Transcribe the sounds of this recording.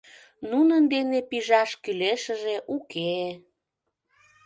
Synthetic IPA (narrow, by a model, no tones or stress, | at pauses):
nunənd̪enepiʒɑʃkyleʃəʒeʔuke